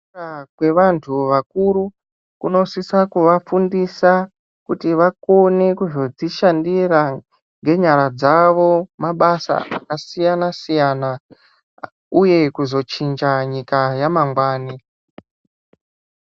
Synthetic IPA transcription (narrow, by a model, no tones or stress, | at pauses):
akwe̞ʋantʰuʋakuɾu | kuno̞sisakuʋafundisa | kutiʋako̞ne̞kuzo̞d͡ziʃandira | ŋɡe̞ɲaɾad͡zaʋo̞maɓasa̰ʔakasijanasijana | uje̞kuzo̞t͡ʃind͡ʒaɲikajamaŋɡwaːni